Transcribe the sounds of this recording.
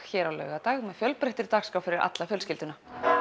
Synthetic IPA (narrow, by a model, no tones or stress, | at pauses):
çɛːɾawlœ̰ːɥɣat̪aːɣmɛðfjœlpɾeht̪ɪɾt̪aːkskawfɪɾɪɾʔa̰t̪lafjœlscɪlt̪ʏna